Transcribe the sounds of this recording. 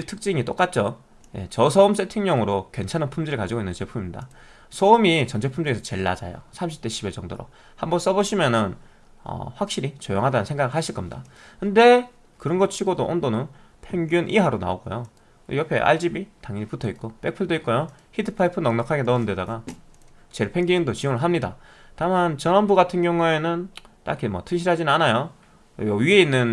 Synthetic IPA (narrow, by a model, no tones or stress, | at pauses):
iɭtʰɯk̚t͡ɕ͈iŋit͈ok͈at̚t͡ɕ͈o | je̞̰t͡ɕʌsʰʌums͈etʰɯŋɲʌŋɯɾokwe̞nt͡ɕʰanɯnpʰumd͡ʑiɾɯɭkad͡ʑiɡoinːɯnt͡ɕe̞pʰumimɲida̰ | sʰoumit͡ɕʌnt͡ɕʰe̞pʰumd͡ʑɯŋesʰʌt͡ɕe̞ɭːa̰d͡ʑa̰jo̰sʰamɕʰi̥p̚t͈eɕʰibet͡ɕʌŋdoɾo̰ | hambʌns͈ʌboɕʰimjʌnɯn | ʌ̰ɸwak̚ɕ͈iɾit͡ɕojoŋɦadanɯnsʰe̞ŋɡaɡɯɭhaɕʰiɭk͈ʌmɲida̰kɯnde̞ | kɯɾʌnɡʌt͡ɕʰiɡodoʔondonɯn | pʰe̞ŋɡjunʔiɦaɾona̰oɡo̰jo | iɾʌpʰe̞̰ʔa̰ɭd͡ʑibitaŋiiputʰʌik͈̚op͈e̞k̚pʰɯɭdoik͈̚ojoçitʰɯpʰaipʰɯnʌŋnʌkʰaɡe̞nʌnɯnde̞daɡa | t͡ɕe̞ɭpʰe̞ŋɡiundot͡ɕioŋɯɭɦamɲida̰ | tamant͡ɕʌnanbuɡatʰɯnɡjʌŋue̞nɯnt͈a̰kʰimwʌ̰tʰɯɕ̬ʰiɾɦad͡ʑinɯnanajo | jʌɥie̞inːɯn